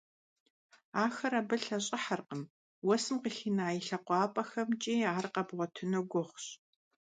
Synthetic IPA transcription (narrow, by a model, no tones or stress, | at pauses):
aːxɐɾabɨɬɐɕʼɪħarqəm | wɔsɨmqəxinaːjiɬɐqʷɑːpʼɐxɐmt͡ʃʼiːaːrqɐbʁʷɔtʰɨnoɡʷʊχʷɕ